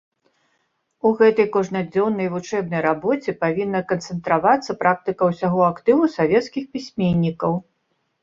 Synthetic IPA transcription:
uɣɛt̪ɐjkɔʐnɐd͡zʲɔwnːɐjvut͡ʂɛbnɐjɾabɔt͡sʲɛpavʲinːɐkɐnt̪sɛnt̪ɾavat̪sːɐpɾʔak̚t̪ɨkɐwsʲaɣɔakt̪ɨvusavʲɛt̪skʲixpʲisʲmʲenʲːikɐw

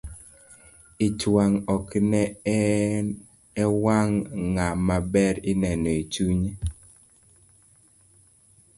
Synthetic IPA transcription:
ɪt͡ʃwaŋɔknɛ | ɛwaŋːamabɛɾɪnɛnɔet͡ʃuɲe

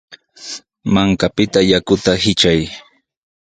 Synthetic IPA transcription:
maŋkapɪt̪ajakʊt̪ahɪt͡ʃaj

